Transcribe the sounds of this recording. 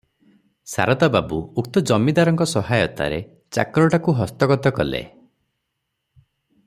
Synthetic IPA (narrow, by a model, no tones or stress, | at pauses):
sa̰ɾɔt̪ababuuk̚t̪ɔd͡ʒɔmid̪aɾɔŋkɔsɔɦajɔt̪a̰ɾe | t͡ʃa̰kɾɔʈakuɦɔst̪ɔɡɔt̪ɔkɔlḛ